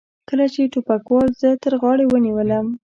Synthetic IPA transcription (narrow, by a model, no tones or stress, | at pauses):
kəlat͡ʃeʈupakwɑlzət̪əɾɣɑɽewəniwələm